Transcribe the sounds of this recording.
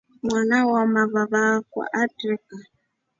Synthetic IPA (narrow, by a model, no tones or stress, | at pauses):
mwanawamaβaβakwa̰ʔatɾɛka